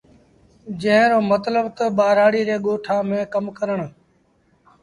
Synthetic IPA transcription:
d͡ʒə̃ɦɪ̃ɾoːmət̪ləbt̪əɓaːɾaːɽiːɾeːɠoːʈʰaːmẽːkəmkəɾəɳ

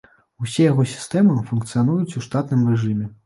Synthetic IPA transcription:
usʲɛjaɣɔsʲi̥st̪ɛmɨfunkt̪sɨjan̪ujut͡sʲuʂt̪at̪nɨmrɛʐɨmʲɛ

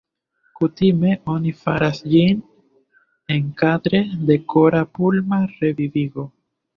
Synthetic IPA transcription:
kutime̞o̞nifa̰ɾasd͡ʒin | eŋkadɾe̞de̞kʰo̞ɾapulmaɾe̞viviɡo̞

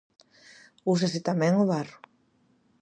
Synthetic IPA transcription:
us̬asɪt̪amɛ̃ŋoβarʊ

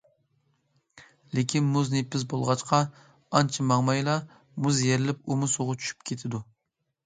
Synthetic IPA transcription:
lɪkʲʰinmuznepːɪsbolˠʁɑt͡ʃqʰɑ | ɑnt͡ʃʰimɑŋmɑjlˠɑ | muzjeɾɪlɪpumusoʁʊt͡ʃʰy̥ʃy̥pkʲʰet̪ʰɪd̪u

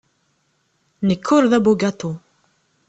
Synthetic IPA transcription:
nəkʰːʊɾðæbuɡat̪u

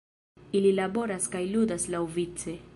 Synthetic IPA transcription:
ililabo̞ɾaskajludaslawvit͡se̞

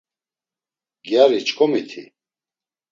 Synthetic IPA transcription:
ɡjaɾit͡ʃkʰʼɔmit̪ʰḭ

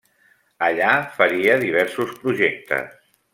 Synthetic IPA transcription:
əʎafəɾiəðiβ̞ɛɾsuspɾuʒek̚t̪ə̰s

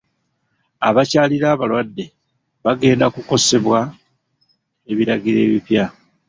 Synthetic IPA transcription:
aβacaːliɾaːβalwadːe̞ | βaɡe̞ːndakuko̞se̞βwa | e̞βiɾaɡiɾe̞̰ːβipja

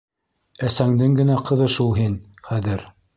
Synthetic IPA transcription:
æsæŋd̪ɘŋɡɘ̆næqɤ̆ðɤʃulˠɦin | χæðɘɾ

